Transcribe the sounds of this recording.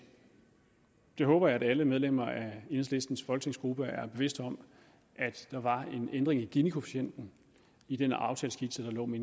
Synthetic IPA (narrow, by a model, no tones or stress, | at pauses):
d̥e̝ɦɔ̽ːb̥ɐjɑ̈æd̥æləmeð̞ˠlem̰ɐæen̩sle̝sd̥n̩sfɒ̽lɡ̥ət͡sʰe̝ŋsɡ̥ʁub̥əæɐb̥e̝ʋe̝sd̥ɒ̽m | ʔæd̥ːɑ̈ʋɑ̈e̝nend̥ʁeŋæɡ̥inikʰopʰæɕen̰d̥n̩ | id̥enɑ̈ʊt͡sʰɛ̰ːlsɡ̥id̥səd̥ɑ̈lɔ̰ːmen